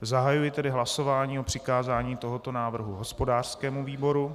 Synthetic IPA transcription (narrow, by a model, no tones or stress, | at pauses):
zaɦajujɪt̪ɛdɪɦlaso̞vaːɲiːopr̝̥ɪkaːzaːɲiːt̪oɦo̞t̪o̞naːvr̩ɦuɦospodaːr̥skɛːmuviːbo̞ɾu